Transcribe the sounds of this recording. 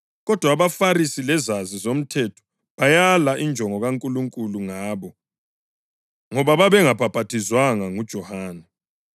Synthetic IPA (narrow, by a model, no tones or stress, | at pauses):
ɣɔd̥ʱwaβafaɾisilɛzazizom̩tʰɛtʰɔ̥ | βajalaʔind͡ʒʱɔŋɔɣaŋkʼuluŋkʼuluŋaːβɔ | ŋɔβaβaβɛŋapʰab̥ʱatʰizwaŋaŋud̥ʒ̥ʱɔhaːnɛ